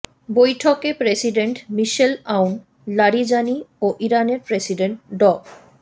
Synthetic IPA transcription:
bojʈʰokepɾesiɖeɳʈmiʃelawn | laɽid͡ʑanioʔiɾaneɾpɾesiɖeɳʈ̚ɖɔk

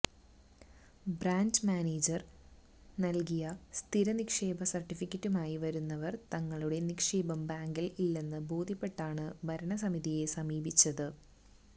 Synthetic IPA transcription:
bɾaːndmaːneːd͡ʑɐr | nɐlkijɐst̪ʰiɾɐnikʂe̞ːbɐsɐrʈːifikʲːɐtːumaːjiʋɐɾunːɐʋɐrt̪ɐŋːɐɭuɽe̞nikʂe̞ːbɐmbaːŋɡililːe̞nːɨbo̞ːd̪ʱjɐpːe̞ʈːaːɳɨbʱɐɾɐɳɐs̬ɐmiðije̞sɐmiːbit͡ɕːɐðɨ

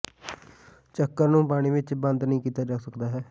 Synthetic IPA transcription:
t͡ʃəkːəɾnũːpaːɽ̃ĩːʋɪt͡ʃbə̃nd̪nəĩːkiːt̪aːd͡ʒaːsəkd̪aːɦɛː

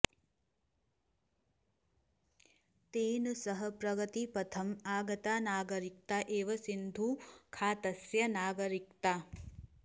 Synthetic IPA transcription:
t̪eːnusɐɦɐpɾɐɡɐt̪ipɐt̪ʰɐmaːɡɐt̪aːnaːɡɐɾik̚t̪aʔeːʋɐsind̪ʱukʰaːt̪ɐsjɐnaːɡɐɾikt̪aː

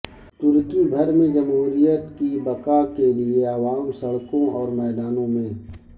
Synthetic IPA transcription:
t̪ʊɾkibʱɐɾmẽd͡ʒɐmɦuːɾijət̪kibɐkakelieaʋaːmsɐɽkõɔːɾmɛːd̪aːnõmẽː

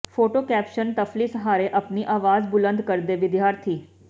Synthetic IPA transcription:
pʰoːʈoːkɛːpʃənt̪əfʰliːsəɦaːɾeːʔəpniːʔaːʋaːzbʊlə̃nd̪kəɾd̪eːʋɪd̪jaːɾt̪ʰiː

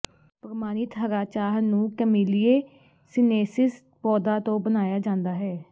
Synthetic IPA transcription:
pəɾmaːniːt̪ʰəɾaːt͡ʃaːɦnũːkəmiːlieː | sɪneːsɪs | pɔːd̪aːt̪õːbənaːjaːd͡ʒãːnd̪aːɦɛː

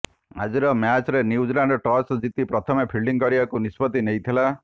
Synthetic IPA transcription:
a̰d͡ʒiɾɔmjat͡ʃɾeniud͡ʒlaɳɖɔʈɔsd͡ʒit̪ipɾɔt̪ʰɔmepʰilɖiŋkɔɾibakunispɔt̪inejt̪ʰila

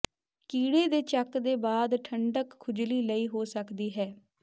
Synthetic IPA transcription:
kiːɽeːd̪eːt͡ʃəkd̪eːbaːd̪ʈʰəɳɖəkʰːʊd͡ʒliːləiːɦoːsəkd̪iːɦɛː

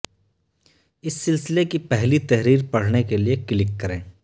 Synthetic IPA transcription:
ɪsːɪlsɪlekipɛɦlit̪ɛɦɾiːɾpɐɽ̤nekeliekɪlɪkːɐɾẽː

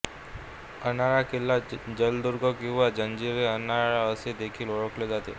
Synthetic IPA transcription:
ənaɭakelːad͡ʑəld̪uɾɡɔkĩw̃ʋad͡ʑənd͡ʑiɾeənaɭaəsed̪ekʰiːloɭəkled͡zat̪ḛ

